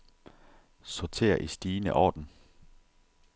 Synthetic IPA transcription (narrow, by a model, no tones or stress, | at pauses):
sɒt͡sʰe̝̰ːɐʔisd̥iːnəʔɒ̰ːd̥n̩